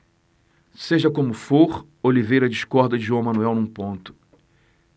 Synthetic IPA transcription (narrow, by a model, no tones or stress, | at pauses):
seʒɐkõmʊfoɾ | olivejɾɐd͡ʒiʃkɔɾd̪ɐd͡ʒɪʒɐ̃w̃mɐ̃nuɛwnũpõnt̪ʊ̥